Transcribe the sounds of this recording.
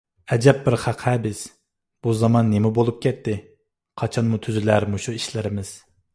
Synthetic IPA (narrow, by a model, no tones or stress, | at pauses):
ɛd͡ʒɛp̚bɪɾχæqhɛbɪs | b̥uzɑmɑnːemɪbolˠup̚kʲʰɛt̪ːɪ | qʰɑt͡ʃʰɑnmut̪ʰyzylæɾmuʃuiʃlɪɾɪmɪz̥